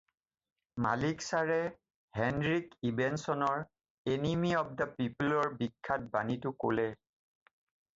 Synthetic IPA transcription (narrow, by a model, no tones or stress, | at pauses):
ma̰liksaɹɛ | hɛndɹikibɛnsɔnɔɹ | enimiɔb̚dapipulɔɹbikʰːat̚banitʊko̰lɛ